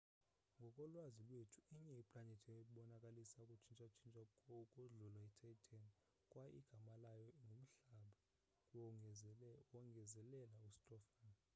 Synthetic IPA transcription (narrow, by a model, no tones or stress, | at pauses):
ŋɡʱɔkʼɔlwazilwetʰu̥iɲɛipʼlanetʰieɓɔnakʼalisakʼut͡ʃʰint͡ʃʼat͡ʃʰint͡ʃʼaɔkʼuɮulwaɛtʰatʰan | kʼwaḭɡ̥ʱamalajɔŋʱom̩ɬaɓa | wɔŋɡʱɛzɛlɛlaustʼɔfan